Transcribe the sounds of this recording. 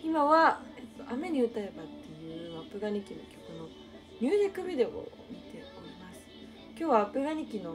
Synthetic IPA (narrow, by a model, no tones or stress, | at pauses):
imaβaet̪ːo̞ʔame̞ɲ̟iɯ̟t̪ae̞bat̪ːe̞jɯ̟ːapɯ̟ɡaɲ̟ikʲino̞̰kʲo̥kɯ̟no̞ | ɲ̟ʲɨːʑikːɯ̟bʲid̪e̞o̰ | mʲit̪e̞o̞ɾʲimasɨ̥ | kʲo̞ːβaːpɯ̟ɡaɲ̟ikʲino̞